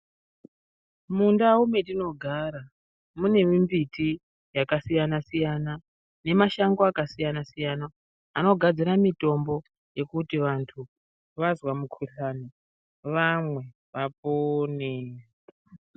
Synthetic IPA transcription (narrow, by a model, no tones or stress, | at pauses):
mundaume̞tino̞ɡʱaːɾa | mune̞mimbiti | jakasijanasijana | ne̞maʃaŋɡoakasijanasijanaː | no̞ɡʱad͡ziɾamito̞mbo̞ | je̞kutiʋantʰu | ʋazwamukʰuɬani | ʋamwe̞ | ʋapone